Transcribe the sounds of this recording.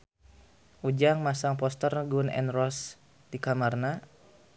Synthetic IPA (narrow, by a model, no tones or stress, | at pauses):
ʔud͡ʒaŋmasaŋpɔst̪ərɡunɛ̰nrɔs | dikamarna